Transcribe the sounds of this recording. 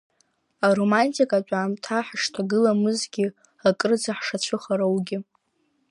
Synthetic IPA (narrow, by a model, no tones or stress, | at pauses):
aɾo̞mantʼikʼat͡ʃʷʼaːmtʰaħaʃtʰaɡɨlamɨzɡʲɪ | akʼrɨd͡zaħʂat͡ɕʷʰɨχaɾawɡʲɪ